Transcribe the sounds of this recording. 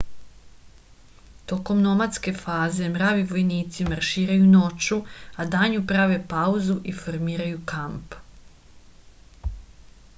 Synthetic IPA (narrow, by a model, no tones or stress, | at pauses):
t̪o̞ko̞mno̞mat̪ske̞faːze̞mɾaːʋiʋo̞jniːt̪simaɾʃiːɾajuno̞t͡ʃuad̪aːɲupɾaʋe̞pauzuʔifo̞ɾmiːɾajukamp